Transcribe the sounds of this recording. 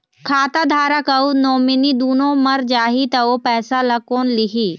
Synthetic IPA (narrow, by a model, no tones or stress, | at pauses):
kʰaːt̪ad̪ʱaːɾakɐunoːmɪnid̪uːnõmɐɾd͡ʒaːɦit̪ɐopɛːsalakoːnliɦiː